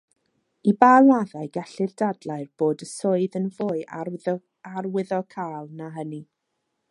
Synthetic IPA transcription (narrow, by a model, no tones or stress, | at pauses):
ibaːlˠaðaɨɡɛɬɨrdadlˠaɨrb̥oːdəsoɨðənvʊːɨʔa | arwɪðɔkʰaːlˠnaɦəni